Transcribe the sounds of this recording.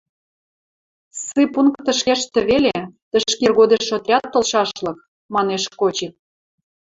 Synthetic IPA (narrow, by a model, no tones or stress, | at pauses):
sɨpuŋkt̪ːə̆ʃkeʃt̪ə̆βelet̪ə̆ʃkerɣod̪eʃot̪rʲɑt̪ːŏlʃɑʃlɤ̆k̚ | mɑneʃkot͡ɕik̚